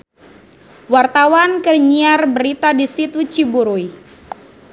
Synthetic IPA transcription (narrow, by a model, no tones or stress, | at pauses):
wart̪awankərɲiarbəɾit̪adisit̪ut͡ʃibuɾuj